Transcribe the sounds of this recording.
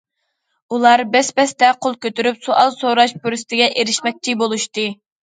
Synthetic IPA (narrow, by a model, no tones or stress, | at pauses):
ulˠɑɾbɛspɛst̪ɛqʰolˠkʲøt̪yɾypsoʔɑlˠsoɾɑʃpuɾyst̪ʰɪɡʲɛʔeɾɪʃmɛk̚ʲt͡ʃʰibolˠuʃt̪ɨ